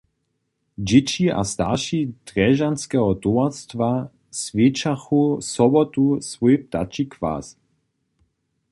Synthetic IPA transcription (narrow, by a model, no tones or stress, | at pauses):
d͡ʒɪt͡ʃiʔa̰st̪aʃid̪̥ʁɛʒanskɛɦɔt̪uast̪va | svjeːt͡ʃaxusɔbɔt̪usvɔjp̚t̪a̰t͡ʃikva̰s